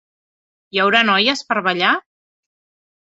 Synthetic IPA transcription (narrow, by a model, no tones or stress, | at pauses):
jəwɾanɔjəspəɾβəʎa